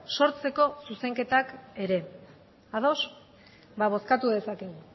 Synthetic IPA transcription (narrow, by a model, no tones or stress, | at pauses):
so̞ɾt͡se̞ko̞suse̞ŋke̞t̪ake̞ɾe̞ | að̞o̞s | baβ̞o̞skat̪uðe̞sake̞ɣu